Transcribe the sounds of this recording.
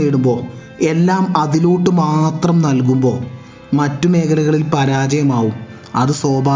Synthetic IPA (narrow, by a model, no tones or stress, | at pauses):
eːɽumbo̞ː | e̞lːaːmɐðiluːʈːɨmaːt̪rɐmnɐlk̬umbo̞̰ː | mɐtːume̞ːkʰɐlɐɣɐɭilpɐɾaːd͡ʑɐjɐmaːʋum | ɐðɨsoːbʱaː